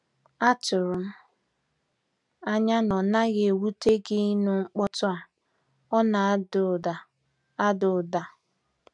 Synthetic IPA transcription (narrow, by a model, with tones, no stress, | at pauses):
a˦tʊ˨ɾʊ˨m̩˦ | a˦ɲa˦nɔ˨na˦ɣe˨wu˦te˦ɡɪ˦nu˦ŋ͡m̩˦k͡pɔ˦tʊ˦a˨ | ɔ˦na˨˦dʊ˨da˨ | a˦dʊ˨da˨